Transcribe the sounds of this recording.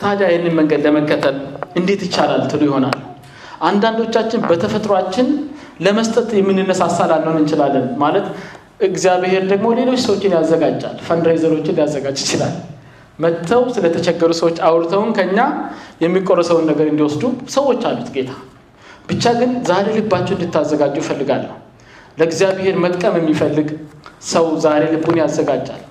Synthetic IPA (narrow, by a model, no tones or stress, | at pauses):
t̪ʰad̪ajhɛnːɨnməŋɡəd̪ləməkːət̪ʰəlɨnd̪e̞t̪jɪt͡ʃːalalːt̪ʰɨlujɪho̞na̰lːu | ʔand̪and̪o̞t͡ʃːat͡ʃːɪnbət̪ʰəfət̪ʼɾoat͡ʃːɪn | ləməst̪ʼət̪jɛmːɨnːɨnːəsasːalalːəwnɨnt͡ʃɪlalːənmalət̪ | ʔɨɡzijaβehe̞ɾd̪əɡmo̞le̞lo̞t͡ʃːsəwot͡ʃːɪnjazːəɡad͡ʒːa̰lːfənɾezəɾo̞t͡ʃːɪnlijazːəɡad͡ʒɪt͡ʃɪla̰l | mət̪ʰːəwsɨlət̪ʰət͡ʃɛɡːəɾusəwo̞t͡ʃːawɾt̪ʰəwnkʰəɨɲːajɛmːikʼorːəsəwunːəɡəɾɨnd̪iwɔsd̪usəwo̞t͡ʃːalːut̪ɡe̞t̪ʰḁ | b̥ɨt͡ʃːaɡɨnzaɾe̞lɨbat͡ʃːɛwɨnd̪ɨt̪ʰːazːəɡad͡ʒufəlːɨɡalːə | ləɡzijaβehe̞ɾmət̪ʼkʼəmjɛmːifəlːɨɡsəwzaɾe̞lɨbːunjazːəɡad͡ʒːa̰l